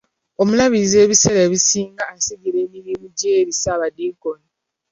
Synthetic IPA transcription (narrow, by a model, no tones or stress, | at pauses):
o̞mulaβize̞ːβiseɾeβisiːŋɡaːsiɟile̞ːmiɾiːmuɟeɾisaβadiːkoni